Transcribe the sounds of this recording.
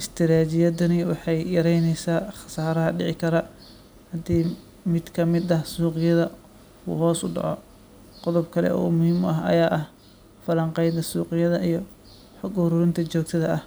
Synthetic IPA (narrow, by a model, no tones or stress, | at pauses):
ʔɪst̪ʰɪɾaːt͡ʃɪjɐd̪ɐnɪwɑħɑjjɐɾɛjnɛjsaːχɑ̥saːɾɐɦɐɖɪʕɪkʰɐɾɐ | hɐd̪iː | mɪd̪kʰɐmɪd̪ɐhsuːqɪjɐðɐ | ṵːɦɔːsʊɖɑ̰ʕɔ | qɔðʊbkʰɐlɛ̰ʔɔ̰ːmʊhiːmʊɐɦɐ̰jaːʔɐh | fɐlɐŋqɛjd̪ɐsuːqɪjɐðɐʔijɞ | ħɔɡʊɾʊɾɪnt̪ʰɐt͡ʃɔːk̚t̪ʰɐðɐʔɐh